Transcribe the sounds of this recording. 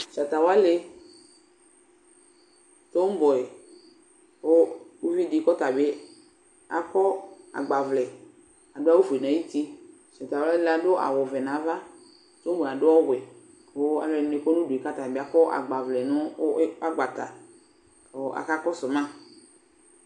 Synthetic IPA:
ʃa˨t̪a˨wo˦a˦le˦ | t̪o˦m˦bɔ˨ɛ˨ | wo˦wu˦vi˦di˦kɔ˦t̪a˨be˦ | a˨kɔ˦a̰˨ɡ͡ba˨vlɛ˨ | a˨dʊ˦a˦wo˦fe˨nã˨˦i˦t̪i˦ | ʃa˨t̪a˨wa˦le˦la˨dʊ˦a̰˨wɔ˨vɛ˨nã˨˦va˦ | t̪o˦bɔ˨a˨dʊ˦ɔ˦wɛ˨ | wo˦a˨vɛ˨n˨ne˨kɔ˦nʊ̃˦du˨i˨ka˦t̪a˨be˦a˨kɔ˦ʔa̰˨ɡ͡ba˨vlɛ˨nʊ̃˦a˦ɡ͡ba˨t̪a˨ | o˦ʔa̰˨ka˦kɔ˦sʊ˨mã˦

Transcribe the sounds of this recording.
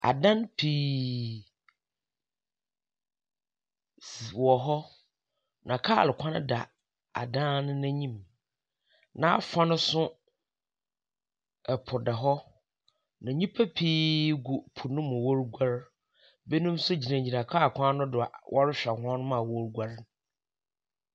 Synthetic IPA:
a̰˨dã˦npʰiː˦ | swɔ˨ɦɔ˦ | nã˨kʰaː˦a̰˨lʊ˨kʷʰã˦ñ̰˦da˨ | a̰˨dã˦nʊ̃˦nɛ̃˦ɲĩ˦˨m | nã˨a˦fa˦nʊ̃˦sʊ̃˦ | ɛ˨pʰʊ˨dɛ˨ɦɔ˦ | nã˨ɲĩ˦pʰæ˦pʰiː˦ɡʊ˨pʰʊ˨nʊ̃˦mʊ̃˨wo˦ɾɡʷa˦ɾ | be˦nũ˦msʊ˦d͡ʑi˨nã˨ɲɲĩ˨nã˨kʰa˦˨kʷʰã˦nʊ̃˦dʊ˨a˨wʔɔ˦ɾɪ˦ɕᶣa˨hʊ˦ɔ̃˦nʊ̃˦mã˨wɔ˦ɾɡʷa˦ɾn

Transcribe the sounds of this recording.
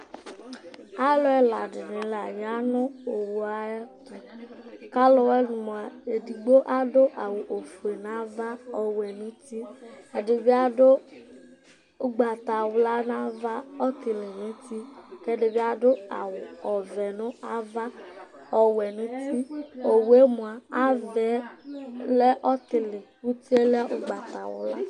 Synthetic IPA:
a˦lʊ˦ɛ˦la˨dɪ˨nɪ˨˦la˨ja˦nʊ˦o˨wo˨a˨ja˦tʊ˨ka˦lɔ˦wɛ˦nʊ˨mo˨a˨e˨di˨ɡ͡bo˦ʔa˦dʊ˦ʔa˨wʊ˨ʔo˨fu˨e˨na˨˦va˦ɔ˨wɛ˨nʊ̃˦ti˦ɛ˨dɪ˨bɪ˦a˦dʊ˦ | ʊ˦ɡ͡ba˨ta˨wʊ˨˦la˦na˦va˦ɔ˦tɪ˨lɪ˨nʊ̃˦ti˦kɛ˦dɪ˨bɪ˦a˦dʊ˦a̰˨wʊ˨ɔ˨vɛ˨nʊ˦a˦va˦ | ɔ˨wɛ˨nʊ̃˦ti˦o˨we˦mʊ˨a˨a˦vɛ˨˦ | lɛ˦ʔɔ˦tɪ˨lɪ˨ | u˦ti˦e˦lɛ˦a˦ʔʊ˦ɡ͡ba˨ta˨wʊ̰˦la̰˦

